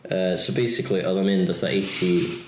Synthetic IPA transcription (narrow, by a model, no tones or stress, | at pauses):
əːsobejsɪkʰlˠiʔɔðamɪndaθaʔetʰi